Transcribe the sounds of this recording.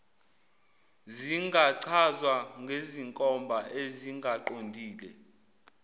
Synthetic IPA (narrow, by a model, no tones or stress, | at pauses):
ziŋɡʱaǀʰazwaŋɡʱeziŋkʼɔmbʱaʔeziŋɡʱaǃondʱiːlɛ